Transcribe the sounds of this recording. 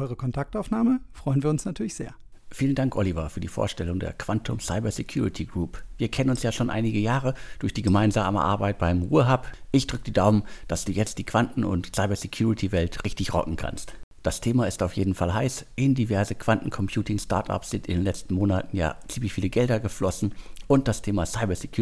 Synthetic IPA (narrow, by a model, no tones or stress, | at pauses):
ʔɔʏʁəkʰɔntʰak̚taʊfnaːməfʁ̥ɔʏənviːɐʊnsnatʰyːɐlɪçz̥eːɐ | fiːləndaŋkʔɔlivafyːɐdiːfo̰ːɐʃtɛlʊŋdḛːɐkv̥antʰʊmsaɪbɐsɛkʰj̥uːʁɪtʰiɡʁuːpviːɐkʰɛnənʊnsjaːʃoːnʔa̰ɪnɪɡəjaːʁəd̥ʊɐçd̥iːɡəmaɪnzaːmə̰ʔa̰ɐbaɪt̚b̥aɪmʁuːəɦapʔɪçd̥ʁʏk̚d̥iːdaʊmənd̥asd̥uːjɛt͡st̚d̥iːkv̥antn̩ʊ̰ntsaɪbɐsekʰj̥uːʁɪtʰivɛltʁɪçtɪçʁɔ̰kŋ̩kʰa̰nstd̥astʰeːmaɪstaʊfjeːdn̩falɦaɪsʔɪndivɛɐzəkv̥antn̩kʰɔmpʰj̥uːtɪŋsta̰ɐtʔa̰psz̥ɪntʔɪndeːnlɛt͡stn̩moːnatn̩ja̰ːt͡siːmlɪçfiːləɡɛldɐɡəflɔsn̩ʔʊnt̚d̥astʰeːmasaɪbɐsekʰju